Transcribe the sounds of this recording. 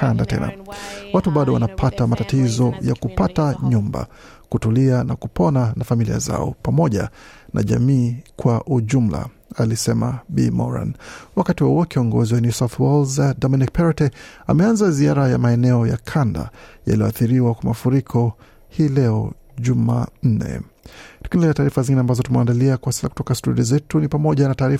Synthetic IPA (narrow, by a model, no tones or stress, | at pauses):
kandatɛ̰na̰watuɓaɗɔwa̰napʰatamatatizɔjakupataɲumba̰ | kutulianakupɔnanafamilḭa̰za̰ɔ̰pamɔʄa̰nʔa̰ʄamiːkwaʔuʄum̩la̰ | alisɛma̰ɓḭmɔ̰ɾa̰nwakatiwauɔkiɔŋɡɔziwanisaθwɛlzdɔminik̚pɛɾɔtɛa̰mɛanzaziaɾaja̰maɛnɛɔja̰kʰanda̰ja̰lijɔaθiɾiwakwamafuɾikʰɔ | hiːlɛɔ | ʄuman̩nɛ̰tu̥kinilɛataːɾifaziŋɡinɛambazɔtumɛandaliakwasi̥saku̥tɔkastuɗiɔzɛtunipamɔʄanataːɾi